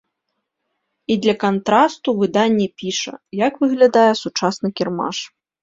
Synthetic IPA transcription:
id̪lʲɐkant̪ɾast̪uvɨd̪anʲːɛpʲiʂɐ̰jakvɨɣlʲad̪ajɛsut͡ʂasnɨkʲɛrma̰ʂ

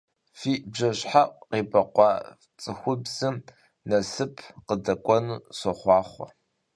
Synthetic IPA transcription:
fiːʔbʑɐɕħaʔʷqeːbɐqʷɑː | t͡sʼɨxʷʊbz̥ɨm | nɐsɨpʰqədɐkʷʼɔnuːsɔχʷɑːχʷɔ

